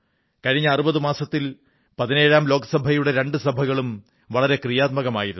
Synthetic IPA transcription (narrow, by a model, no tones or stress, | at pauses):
kɐɻiɲːɐːrubɐðɨmaːsɐt̪ːil | pɐðine̞ːɻaːmlo̞ːkɐsɐbʱɐjuɽe̞ɾe̞ɳɖɨsɐbʱɐɣɐɭum | ʋɐɭɐɾe̞krijaːt̪̚mɐɣɐmaːjiɾunː